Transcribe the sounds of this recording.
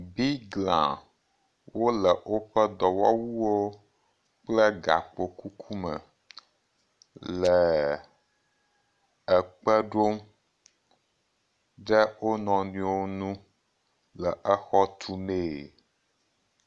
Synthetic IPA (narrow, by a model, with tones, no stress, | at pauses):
bi˦ɡlã̰˨ | wo˦lə˨ʔo˦ɸə˦d̪ɔ˨wɔ˦wu˦wo˦ | k͡plə˦ɡa̰˨k͡po˨ku˦kʰu˦mə̰̃˨ | lə˨ | ɛ˨k͡pə˦ɖo˦m | ɖɛ˦wo˦nɔ̃˨nũ˨o˦nũ˦ | lə˨ʔɛ˦xɔ˦t̪ʰu˦me˦˨